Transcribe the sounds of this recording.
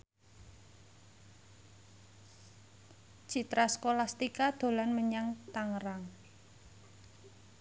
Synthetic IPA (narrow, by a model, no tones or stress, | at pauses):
t͡ʃit̪ɾaskolast̪ikad̪̥o̤lanməɲaŋt̪aŋəɾaŋ